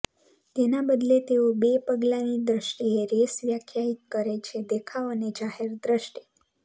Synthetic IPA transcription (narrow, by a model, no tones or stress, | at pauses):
t̪enabəd̪let̪eobepəɡlanid̪ɾəʃʈieɾesʋjəkʰjaɦit̪̚kəɾet͡ʃʰed̪ekʰaʋəned͡ʒaheɾd̪ɾəʃʈi̥